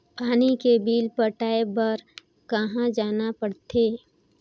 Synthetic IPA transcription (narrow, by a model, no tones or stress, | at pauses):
paːnikebiːlpəʈaːebɐɾ | kɐɦãd͡ʒaːnapəɽt̪ʰeː